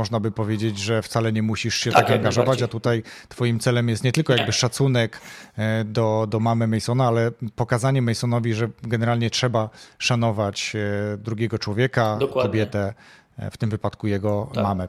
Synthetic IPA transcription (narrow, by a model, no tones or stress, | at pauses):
ɔʐnabɘpɔvʲjed͡ʑed͡ʑʐɛft̪salɛɲɛmuɕiʂɕɛt̪aɡaŋɡaʐɔvat͡ɕat̪ut̪ajt̪fɔjimt̪sɛlɛmjɛst̪ɲɛt̪ɘlkɔjaɡbɘʂat̪sunɛk | d̪ɔd̪ɔmamɘmɛjsɔnaalɛpɔkazaɲɛmɛjsɔnɔvʲiʐɛɡɛnɛɾalɲɛtʂɛbaʂan̪ɔvat͡ɕd̪ɾuɡʲɛɡɔt͡ʂwɔvʲjɛkakɔbʲjɛt̪ɛ | ft̪ɘmvɘpat̪kujɛɡɔmamɛ